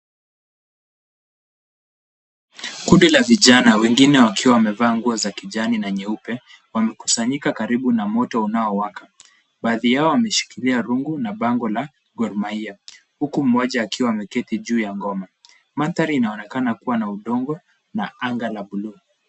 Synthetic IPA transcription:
kuɗilaviʄanawɛŋɡinɛwakiwawamɛvaːŋɡuɔzakiʄaninaɲɛupɛ | wamɛku̥saɲikakaɾiɓunamɔtɔunaɔwaka | ɓaːðijaɔwamɛʃi̥kiliaɾuŋɡunaɓaŋɡɔla | ɡɔɾmaia | hukum̩ɔʄaːkiwamɛkɛtiʄuːjaŋɡɔma | maθaɾiːnaɔnɛkanakuwanauɗɔŋɡɔ | naaŋɡalaɓulu

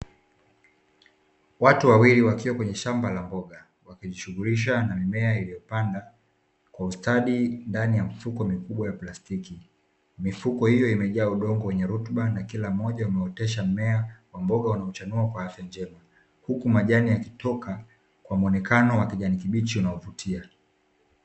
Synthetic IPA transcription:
watuwawiliwakiwakwɛɲɛʃambalambɔɠa | wakiʄiʃuɣuɾiʃ̬anamimɛailijɔpanda | kwaustaɗindanijamifukɔmikuɓwajaplastiki | mifukɔhijɔimɛʄaːuɗɔŋɡɔwɛɲɛɾutɓanakilam̩ɔʄaumɛɔtɛʃ̬am̩mɛawambɔɠaunaɔt͡ʃanuakwahafjand͡ʒɛma | hukumaʄanijakitɔka | kwamuɔnɛkanɔwakiʄanikiɓit͡ʃiunaɔvutʰia

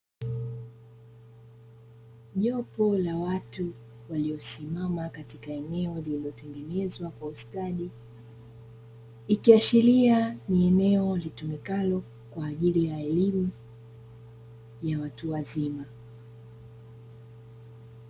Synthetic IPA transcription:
ʄɔpɔlawatu | waliɔsimamakatikaɛnɛɔliliɔtɛŋɡɛnɛzwakwaustaɗi | ikiaʃilianiɛnɛɔlitumikalɔ | kwaːʄiɾijaɛlimu | jawatuwazima

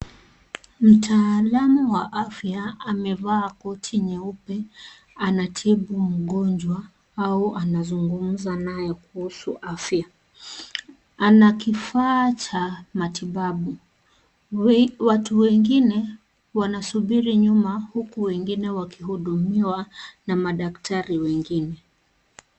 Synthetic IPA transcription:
m̩tʰaːlamuwaʔafjaamɛvaːkɔtʰiɲɛupɛ | anatʰiɓum̩ɠɔnd͡ʒwa | auʔanazuŋɡum̩zanajɛkuhusuʔafja | anakifaːt͡ʃamatiɓaɓu | watuwɛŋɡinɛ | wanasuɓiɾiɲumahukuwɛŋɡinɛwakiɦuɗumiwanamaɗaktʰaɾiwɛŋɡinɛ

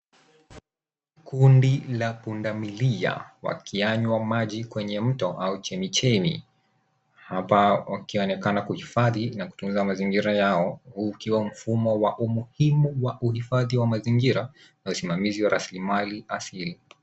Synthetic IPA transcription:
kʰundilapundamilia̰wa̰kʰiaɲwamaʄikwɛɲɛm̩tɔʔaut͡ʃɛmit͡ʃɛmḭ | hapawakiɔnɛkanakuhifaðinaku̥tun̩zamaziŋɡiɾajaɔhuːkiwam̩fumɔwaʔumuhimuwaʔuhifaðiwamaziŋɡiɾa | nausimamiziwaɾʔaslimaliʔasili

